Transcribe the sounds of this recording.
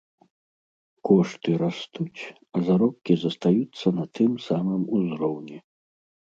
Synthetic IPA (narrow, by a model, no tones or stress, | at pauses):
kɔʂt̪ɨɾast̪ut͡sʲ | ɐzaɾɔp̚kʲizɐst̪ajut̪sːɐnɐt̪ɨmsamɨmuzɾɔwnʲɛ